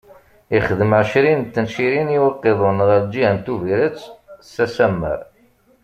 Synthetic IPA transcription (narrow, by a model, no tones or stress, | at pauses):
iχəðəməʕʃɾint̪ːənʃiɾiniwɑqːeðˤənʁəɾd͡ʒiənt̪uviɾət͡sːsæsæmːə̰ɾ